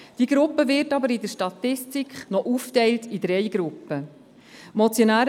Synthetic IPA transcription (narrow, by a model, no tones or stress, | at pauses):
d̥iɡ̥ɾʊpːəvɪɾtɑbəɾɪdəɾʃtɑtɪstikχnɔʔuːftɛɪltʰid̥ɾɛɪɡ̥ɾʊpːə | mɔt͡sjonæːɾ